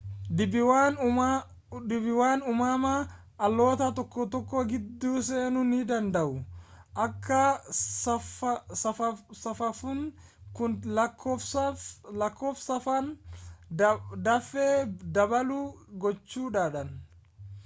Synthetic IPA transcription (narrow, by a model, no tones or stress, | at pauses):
dɪbɪwaːn | dɪbɪwaːnʊmaːma | ʔɐlːo̞ːt̪ɐt̪ɔkːɔt̪ɔkːɔːɡɪd̪ːuːseːnʊnɪd̪ɐnd̪ɐʔʊʔɐkʰːɐ | sɐfɐsɐfɐfʊŋ | kʊnlɐkʰːofslɐkːoːfsɐfɐn | d̪ɐfeːd̪ɐbɐluɡɔt͡ʃːuːᶑaːᶑɐn